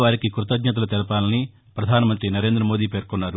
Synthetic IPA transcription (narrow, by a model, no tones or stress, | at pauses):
ʋaːɾikikɾut̪ɐɡ̪ɲɐt̪̬ɐlɐt̪ɛlɐpaːlɐni | pɾɐd̪ʱaːnɐmɐnt̪ɾinɐɾe̞ːnd̪ɾɐmo̞ːd̪iːpe̞ːɾkonːaːɾu